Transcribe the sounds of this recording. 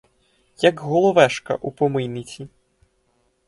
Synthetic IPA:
jɐɡɣɔlˠɔʋɛʂkɐ̰ʔupɔmɪjnit͡sʲi

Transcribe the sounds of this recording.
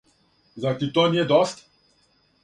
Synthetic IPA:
zat̪it̪oniɛd̪ɔst̪

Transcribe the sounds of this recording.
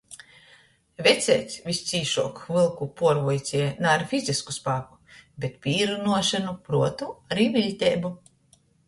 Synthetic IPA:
vʲɛt̪sʲɛːt̪sʲvʲist̪siːʃuɔkvɨlˠkupuɔɾvujt̪sʲiɛnaɾfʲizʲiskuspaːku̥bʲet̪pʲiːɾunuɔʃanupɾuɔt̪uaɾiːvʲilʲt̪ʲɛːbu

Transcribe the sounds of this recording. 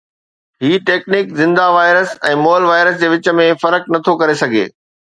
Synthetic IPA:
ɦiːʈeːknɪkzɪ̃nd̪aʋaːɪɾəsɛ̃ːmoːlʋaːɪɾəsd͡ʑeːʋɪt͡ɕə̆mẽfɐɾəknɐt̪ʰokɐɾesɐɡʱḛː

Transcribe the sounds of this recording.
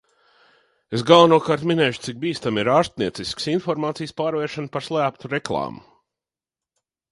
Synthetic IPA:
esɡalˠanuɔkaːɾt̪minɛːjʃu̥t̪sik̚biːst̪amiɾaːɾst̪̚niɛt̪sisksinfɔɾmaːt̪sijspaːɾvɛːɾʃanpaɾslˠæːp̚t̪uɾeklˠɑ̰ːmu

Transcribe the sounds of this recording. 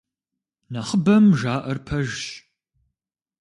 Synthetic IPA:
naχəbɐmʒaːʔɐrpʰɐʒɕ

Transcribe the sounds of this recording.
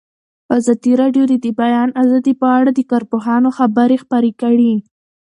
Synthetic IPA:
azɑd̪iɾɑɖjod̪əd̪əbajɑnazɑd̪ipəaɽad̪əkɑɾpoɦɑnoxabaɾexpaɾekəɽi

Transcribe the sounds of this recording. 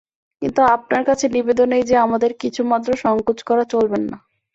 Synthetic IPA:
kint̪uap̚naɾkat͡ɕʰenibed̪onejd͡ʑeamad̪eɾkit͡ɕʰumat̪ːɾoʃɔŋkut͡ɕkɔɾat͡ɕolbenːa

